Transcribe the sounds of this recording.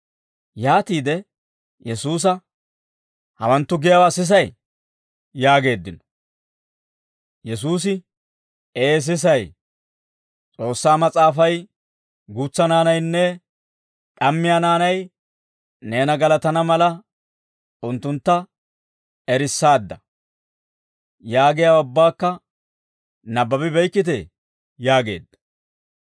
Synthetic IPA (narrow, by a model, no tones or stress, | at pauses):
jaːt̪iːd̪ɛ | jɛsuːs̬ɐ | hɐwɐnt̪ːʊɡɪjɐwaːsɪs̬ɐj | jaːɡe̞ːd̪ːɪnɔ̥ | jɛsuːs̬ɪ | eːs̬ɪs̬ɐj | t͡sʼo̞ːsːaːmɐt͡sʼaːfɐj | ɡuːt͡sːɐnaːnɐjnːɛ | ᶑɐmːɪjaːnaːnɐj | ne̞ːnɐɡɐlɐt̪ɐnɐmɐlɐ | ʊnt̪ːʊnt̪ːɐ | ɛɾɪsːaːd̪ːɐ | jaːɡɪjaʊbːaːkːɐ | nɐbːɐbɪbɛjkːɪt̪̬ɛ | jaːɡe̞̰ːd̪ːɐ